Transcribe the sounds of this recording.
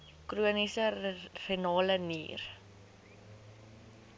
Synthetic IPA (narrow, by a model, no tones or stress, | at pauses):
kruənisərinɑːlənḭːr